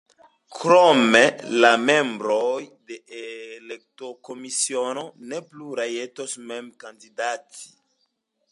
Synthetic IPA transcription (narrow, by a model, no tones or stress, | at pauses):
kɾomelame̞mbɾojdeelek̚tokomisiono̞nepluɾajetosmemkandidatʰi̥